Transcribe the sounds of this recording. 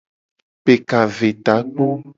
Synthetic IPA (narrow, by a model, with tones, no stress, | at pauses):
pe˨ka˨ve˨t̪a˨˦k͡po˦